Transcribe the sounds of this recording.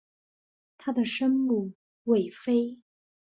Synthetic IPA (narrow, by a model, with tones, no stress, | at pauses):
t̪ʰa˥d̪ə˨ʂə˥nmu˥˩ | we˨˩ɪfe˥ɪ